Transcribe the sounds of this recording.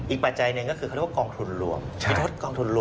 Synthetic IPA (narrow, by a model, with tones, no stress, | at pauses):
ʔiː˨˩k̚pa˨˩t̪̚t͡ɕa˧jnɯ˨˧kɔː˥˩kʰɯ˧ka˥˩˦kɔː˧ŋt̪ʰu˧nlṵ˧əmʰi˧t̪̚ɾo˦˥t̪̚kɔː˧ŋt̪ʰu˧nlu˧